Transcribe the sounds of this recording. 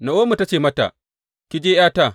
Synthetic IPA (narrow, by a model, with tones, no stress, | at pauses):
na˨ʔoː˦mu˨ta˦t͡ʃeː˦˨mɐ˦ta̰˨ | kʲɪ˦d͡ʒeː˦jaː˦ta˦˨